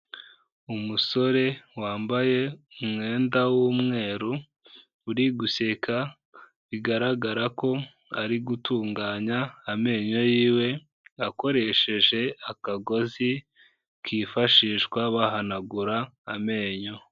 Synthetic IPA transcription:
umuso̞ɾe̞waːmbaje̞umŋe̞ːndawumŋe̞ːɾo | uɾiɡuse̞kʰa | βiɡaɾaɡaɾako̞ | a̰ɾiɡutuːŋɡaːɲaːme̞ːɲo̞jiːwe̞ | ako̞ɾe̞ʃe̞ʒe̞akaɡo̞zi | kʰiːfaʃiːʃkwaβaɦanaɡuɾaːme̞ːɲo̞

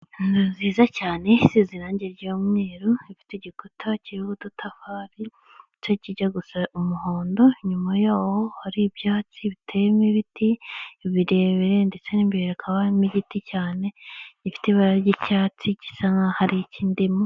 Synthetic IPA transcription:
niziːzacaːne̞siziɾaːɲɟeɾɟoːmŋeːɾoifi̥teɟikutʰaciɾuɡututʰafaːɾi | t͡ʃociɟaɡusaumuho̞ːndo̞ɲumajaːwohaɾibjaːt͡siβitʰejemiβitʰiβiɾeβiɾendet͡seniːmbieɾekʰaβamiɟiticaːne̞ifi̥teβaɾaɾɟicaːt͡sici̥saŋɡahaɾiciːndimu

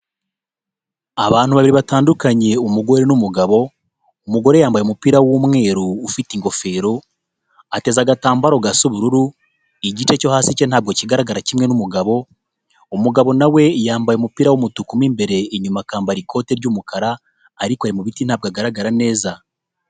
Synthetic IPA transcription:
aβaːn̥huβaβiɾiβataːndukaɲe̞umuɡo̞ɾe̞numuɡaβo̞ | umuɡo̞ɾejaːmbajomupiːɾawomŋe̞ːɾuːfitiŋɡo̞fe̞ːɾo | ate̞zaɡataːmbaɾo̞ɡasuβuɾuɾu | iɟit͡ʃe̞co̞haːsicen̥aːb̚ɡociɡaɾaɡaɾacimŋe̞numuɡaβo̞ | umuɡaβo̞nawe̞jaːmbajomupiːɾawomutukumimbe̞ɾe̞ːɲumakaːmbaɾikʰo̞ːte̞ɾɟumukaɾaː | ɾikwaɾimuβitin̥haːb̚ɡaɡaɾaɡaɾane̞ːza

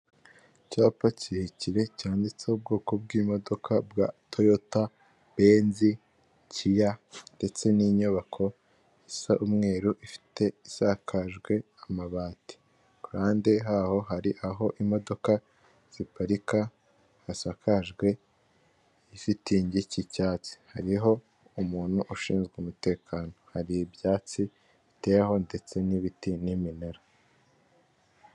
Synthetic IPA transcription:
caːpacihiciɾe̞caːndit͡seub̚ɡoːko̞bɡiːmo̞do̞kʰabɡatʰojota | beːnzi | cʰijande̞t͡se̞niɲoβakʰo̞ | isaʔumŋe̞ːɾuʔifi̥te̞isakʰaʒɡwe̞ | amaβaːti̥ | kaːndiɦaːho̞ɦaɾiʔaɦo̞ʔimo̞do̞ka | z̥ipaɾikaː | sakʰaʒɡwe̞ | isitiːɲɟicicaːt͡si̥haɾiɦo̞ | umuːn̥huʔuʃiːnzɡweumute̞ːkʰaːno̞haɾijibjaːt͡si | ite̞jaɦo̞nde̞t͡se̞niβitinimineɾa

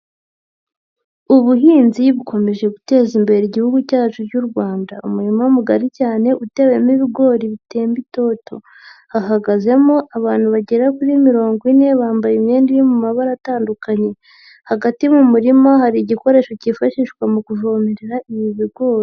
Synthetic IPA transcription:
uβuɦiːnziβuko̞me̞ʒe̞ɡute̞ːzimbe̞ɾeiɟihuɡucaːt͡ʃuɟuɾɡwaːndaumuɾimaumuɡaɾicaːne̞ʔute̞we̞miβiɡo̞ːɾiβitʰe̞ːmbito̞to̞ | haɦaɡaze̞moʔaβaːn̥huβaɟe̞ɾakuɾimiɾo̞ːŋɡine̞βaːmbajimɲe̞ːndijimumaβaɾataːndukaɲe̞ | haɡatimumuɾimaɦaɾiːɟiko̞ɾe̞ːʃo̞cifaʃiʃkwamukuʒoːmeɾeɾaʔiβiβiɡo̞ːɾi

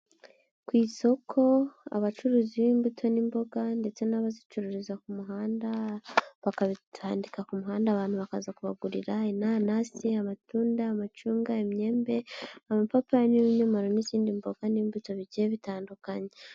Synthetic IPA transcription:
kwiːso̞kʰo̞a̰βat͡ʃuɾuːziβiːmbutʰo̞nimbo̞ɡande̞t͡se̞naβazit͡ʃuɾuɾizakumuɦaːndaβakaβitʰaːndikakumuɦaːndaːβaːn̥huβaka̰zakuβa̰ɡuɾiɾainanasiamatuːndaːmat͡ʃuːŋɡaemɲe̞ːmbe̞amapapajaniβiɲomaɾo̞niziːndimbo̞ɡaniːmbuto̞βiɟieβitaːndukaɲe

